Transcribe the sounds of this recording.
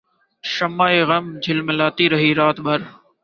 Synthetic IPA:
ʃəmaːeːɣəmd͡ʑʱɪlməlaːt̪iːɾəɦiːɾaːt̪bʱəɾ

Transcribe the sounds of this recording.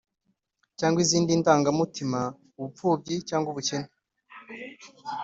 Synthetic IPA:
caːŋɡwiziːndiːntaːŋɡamutima | uβupuːb̚ɟicaːŋɡuβuce̞ne̥

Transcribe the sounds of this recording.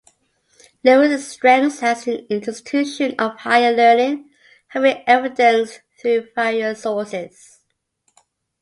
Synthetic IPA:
loʊðəstɹ̥ɛ̃ŋshəzĩnɪ̃ntʰəstʰʉʃə̃nəv̥haɪəlɜ˞nɪ̃ŋ | hævɪ̃ŋɛvɪdə̃nsθɹʉfaɪəsɔːˑsɪz̥

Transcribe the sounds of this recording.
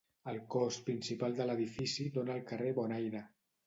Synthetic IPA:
əlˠkɔspɾinsipalˠd̪ələðifisidonəːlˠkəreβɔnajnə

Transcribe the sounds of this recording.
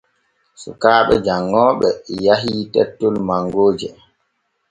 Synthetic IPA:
sṵkaːɓɛ̰d͡ʒaŋːɔːɓɛjaɦiːtɛtːɔlmaŋɡoːd͡ʒɛ

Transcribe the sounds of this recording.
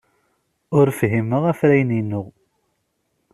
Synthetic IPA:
ʊɾfɦiməʁæfɾæjninːʊʁ

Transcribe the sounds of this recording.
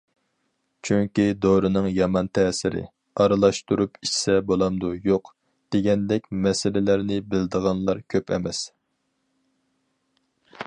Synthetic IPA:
t͡ʃʰyŋkʲid̪oɾɨnɨŋjɑmɑnt̪ʰɛːsɪɾɪ̰ | ɑɾɨlˠɑʃt̪uɾupʰiʃsɛbolˠɑmd̪ujoq | d̪̥eɡʲɛnd̪ɛkʲmɛsɪlɪlæɾnɪbɪld̪əʁɑnlˠɑɾkʲʰøpɛ̰mɛs

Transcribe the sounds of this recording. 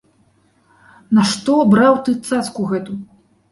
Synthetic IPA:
nɐʂt̪ɔbɾawt̪ɨt̪sat̪skuɣɛt̪u

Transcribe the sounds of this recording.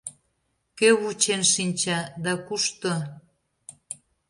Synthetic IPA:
køβut͡ɕenʃinʲt͡ɕɑd̪ɑkuʃt̪o

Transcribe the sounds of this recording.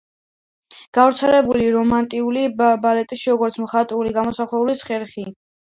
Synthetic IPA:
ɡ̥avɾt̪sʰɛlɛbuliɾɔmant̪ʼiulibalɛt̪ʼiʃiɾɔɡɔɾt̪sʰmχat̪ʼuliɡamɔsaχlɛulisχɛɾχi

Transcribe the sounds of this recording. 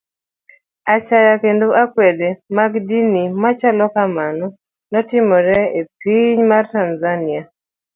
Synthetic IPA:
at͡ʃajakendoʔakwɛdemaɡdinimat͡ʃalɔkamanɔ | nɔtɪmɔɾɛep̚iɲmartanzania

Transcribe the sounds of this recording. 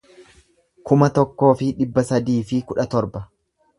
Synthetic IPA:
kʊmɐt̪ɔkːo̞ːfɪᶑɪbːɐsɐd̪iːfɪkʊᶑɐt̪ɔɾbɐ

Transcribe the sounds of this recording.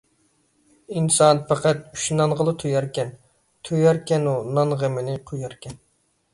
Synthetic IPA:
insɑnpæqæt̪̚y̥ʃnɑnʁəlˠɨt̪ʰujɑɾkʲɛn | t̪ʰojɑɾkʲɛnunɑnʁəmɪnɪqʰojɑɾkʲɛn

